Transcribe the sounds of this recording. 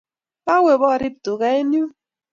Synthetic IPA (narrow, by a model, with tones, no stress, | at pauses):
ba˦we˨bɔ˦˨ɾi˦˨p̚tu˨ɣa˦e˦n˦u˦